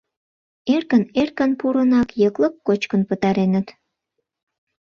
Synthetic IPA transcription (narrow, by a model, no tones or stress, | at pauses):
erkənerkənpuɾənɑkjəkləkːot͡ɕkənpət̪ɑɾenət̪